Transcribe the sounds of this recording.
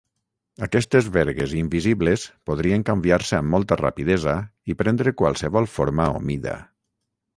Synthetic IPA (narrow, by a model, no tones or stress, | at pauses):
akɛst̪ezβɛɾɣezimbiziβlespoðɾieŋkambiaɾseamːɔlˠt̪ara̰piðɛzaipɾɛnd̪ɾekwalˠseβɔlˠfoɾmao̰miða̰